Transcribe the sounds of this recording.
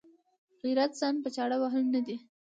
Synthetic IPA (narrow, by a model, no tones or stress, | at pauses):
ɣiɾat̪z̥ɑnpət͡ʃɑɽawaɦəlnad̪i